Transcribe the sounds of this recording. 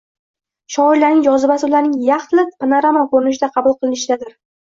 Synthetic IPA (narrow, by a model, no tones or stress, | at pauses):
ʃɒɪɾlːanɪŋjɒzɪbasɪlaɾnɪŋjɑχt̪ʰɪlɪpanaɾamɒnkʰɵɾɪnɪʃ̬ɪd̪aqʰɑbʊlˠqʰɨlˠɪnɪʃɪd̪ad̪ɪɾ